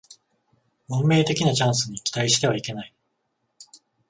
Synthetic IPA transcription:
mõmːe̞ːt̪e̞kʲinat͡ɕãɰ̃sɨɲ̟ikʲi̥t̪aiɕi̥t̪e̞β̞aike̞nai

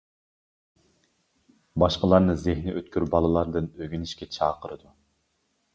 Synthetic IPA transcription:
bɑʃqəlˠɑɾnɨzɪhnɪʔøt̪̚kʲyɾbɑlˠɨlˠɑɾd̪ɨnøɡʲynɪʃkʲɛt͡ʃʰɑːqʰəɾɨd̪u

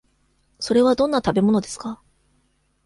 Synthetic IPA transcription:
so̞ɾe̞βad̪õ̞nːat̪abe̞mo̞no̞d̪e̞sɨ̥ka

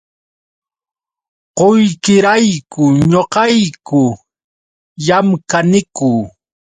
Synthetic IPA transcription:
qojkɪɾajkʊɲoqɑjkʊ | jamkanɪkʊː

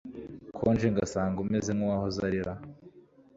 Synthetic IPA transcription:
kʰond͡ʒeŋɡasaːŋɡumezemowaːhozaɾiɾa

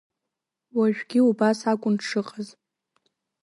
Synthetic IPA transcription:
waʒᶣɡʲɪubasakʷʼʊnʈ͡ʂʰɨqʼaz

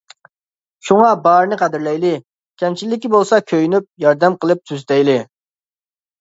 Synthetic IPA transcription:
ʃuŋɑbɑɾɨnɨqʰæd̪ɪɾlɛjlɪ | kʲʰɛmt͡ʃʰilːɪkʲibolˠsɑkʲʰøjynyp̚jɑɾd̪ɛmqəlˠɨp̚t̪ʰyzt̪ɛjlɪ

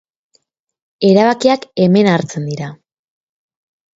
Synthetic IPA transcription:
e̞ɾaβakiake̞me̞naɾt͡se̞nd̪iɾa

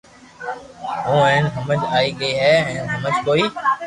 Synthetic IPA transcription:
ɦõːɛ̃ːnɦəməd͡ʒaːiːɠəiːɦɛːɛ̃ːnɦəməd͡ʒkoːiː

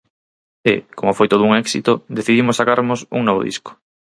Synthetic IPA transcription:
ɪ̰komofojt̪oð̞ʊuŋɛksit̪ʊd̪eθiðimʊsːakaɾmʊsṵŋnoβo̰ðḭsko̥

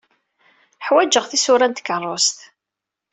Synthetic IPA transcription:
ħwæd͡ʒəʁθisʊɾænt̪ə̥kːərˤːost̪

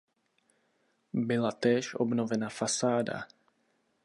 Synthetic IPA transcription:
bɪlat̪ɛːʃʔo̰bnovɛnafasaːda̰

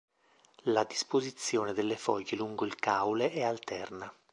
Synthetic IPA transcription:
lad̪ispozit̪sːjoːned̪elːefɔʎːeluŋɡoilkawleʔɛalt̪ɛrna

